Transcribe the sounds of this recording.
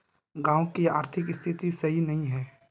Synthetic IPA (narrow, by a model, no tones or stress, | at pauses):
ɡãːʊkiaːɾt̪ʰɪkɪst̪ʰɪt̪isɐɦinɐɦĩɦɛː